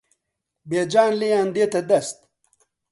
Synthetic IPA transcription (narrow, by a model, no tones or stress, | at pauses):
beːd͡ʒaːnlejaːnd̪eːt̪ɐd̪ɐst̪̚